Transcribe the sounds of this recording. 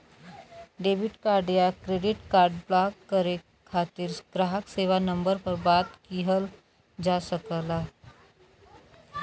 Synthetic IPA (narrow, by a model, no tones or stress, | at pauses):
ɖebiʈkaɾɖjakɾeɖiʈkaɾɖblakːəɾe | kʰat̪iːɾɡ̥ɾaɦəkseʋanəmbəɾpəɾbat̪kiɦəl | d͡ʑasəkəla